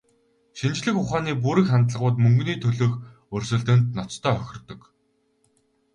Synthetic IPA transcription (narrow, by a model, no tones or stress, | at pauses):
ʃint͡ɕɮɘ̆xʊχaːniːp̬uɾɘ̆kχant̪ɮə̆ʁʊːt̪mɵŋɡniːt̪ʰɵɮɵ̆ːx | ɵrʲsɵ̆ɮt̪ɘ̆nt̪nɔt͡st̪ʰœːœxʲɪ̆rt̪ɵ̆k